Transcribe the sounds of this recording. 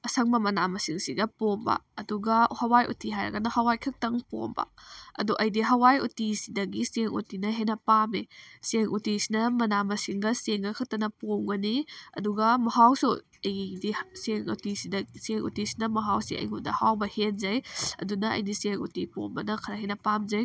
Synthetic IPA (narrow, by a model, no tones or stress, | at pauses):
ɐsɐŋmɐmɐnamɐsiŋsiɡɐpombɐ̰ɐduɡɐhɐwajʔṵtiɦajɾɐ̰ɡɐnɐhɐwajkʰɐk̚tɐŋpo̰mbɐ̰ɐ̰duʔɐjdiɦɐwajutisidɐɡiseŋṵtinɐɦenɐpameseŋʔutisinɐmɐnamɐsiŋɡɐseŋɡɐkʰɐk̚tɐnɐpomɡɐniɐ̰duɡɐmɐɦawsu | ɐjdiseŋṵtisidɐseŋṵtisi̥nɐmɐɦawsiʔɐ̰jɡudɐ̰hawbɐhenzɐjɐ̰dunɐɐ̰jdiseŋṵtipo̰mbɐnɐkʰɐɾɐɦenɐpamzɐj